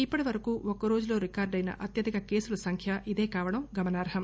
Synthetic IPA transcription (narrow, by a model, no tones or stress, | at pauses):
ipːɐʈiʋɐɾɐkuːʔɔkɐɾo̞ːd͡ʒulo̞ːɾikaːɾɖɐjnɐ̰ʔɐt̪jɐd̪ikɐke̞ːsulɐsɐŋkʰjɐʔid̪e̞ːkaːʋɐɽɐmɡɐmɐnaːɾɐɦɐm